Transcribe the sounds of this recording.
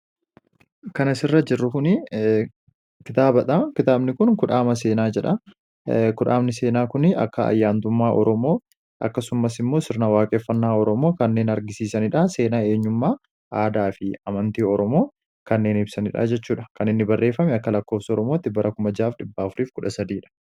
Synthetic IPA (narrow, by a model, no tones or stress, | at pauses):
kɐnɐsɪrːɐd͡ʒɪrːʊkʊnɪ | kɪt̪aːbɐᶑɐkɪt̪aːbnɪkʊnkʊᶑaːmɐs̬e̞ːnaːd͡ʒɛᶑɐ | kʊᶑa̰ːbnɪse̞ːnaːkʊnɪɐ̰kːɐɐ̰jːaːnt̪ʊmːaːʔɔɾɔmo̞ː | ʔɐ̰kːɐsʊmːɐsɪmːo̞ːsɪɾnawaːkʼeːfːɐnːaːɔɾɔmo̞ːkɐnːe̞ːnɐɾɡɪsiːsɐnɪᶑase̞ːnaːe̞ːɲːʊmːaː | aːd̪aːfɪɐmɐnt̪iːɔɾɔmo̞ː | kɐnːe̞ːnɪb̥sɐnɪᶑa̰ːd͡ʒɛt͡ʃːuːᶑɐkɐnɪnːɪbɐrːe̞ːfːɐmɛɐkːɐlɐkːo̞ːfsɐɔɾɔmo̞ːt̪ːɪbɐɾʔɐkʊmɐd͡ʒaːfᶑɪbːaːfʊɾiːfkʊᶑɐsɐd̪iːᶑɐ̥